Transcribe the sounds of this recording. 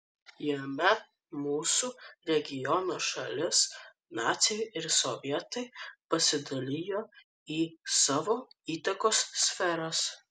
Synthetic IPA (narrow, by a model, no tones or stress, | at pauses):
jɛmʲɛ | muːsuɾʲɛɡʲɪjɔnoːʃɐlʲɪs | nɑːt̪sʲɪjʊɪɾsoʋʲiɛt̪ɐɪpɐsʲɪd̪ɐlʲɪjoː | iːsɑːʋoːiːt̪ɐkoːssʲfʲɛɾɐs